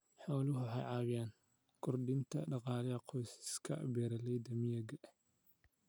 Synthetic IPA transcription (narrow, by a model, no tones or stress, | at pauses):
ħɑwlʊɦʊħɑ̰jʕɑːwɪjaːn | kʰʊrɖɪnt̪ʰɐɖɑqɑːlɛɐqʰɔjsɪ̥skʰɐ̰bɛːɾɐlɛjd̪ɐmɪjɐɡɐʔ